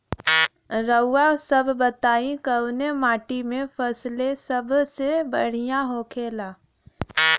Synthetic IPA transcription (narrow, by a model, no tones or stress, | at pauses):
ɾəʊːasəbʱbət̪aːĩkəwnemaːʈimẽfʰəslesəbʱsebə̰ɽ̤ijãɦoːkʰeːlaː